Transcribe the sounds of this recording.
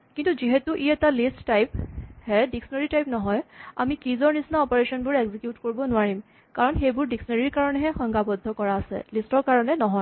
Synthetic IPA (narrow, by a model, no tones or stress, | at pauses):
kintuziɦɛtuʔiɛtalistːajphɛdiksɔneɹitajpnɔɦɔja̰mikizɔɹnisnaɔpɔɹesɔnbʊɹeɡzikjutkoɹibɔnʊwaɹim | kaɹɔnxejbʊɹdiksɔnaɹiɹkaɹɔnɛɦɛxɔŋɡabɔdʱːɔkɔɹaːsɛ̰listɔɹkaɹɔnɛnɔɦɔj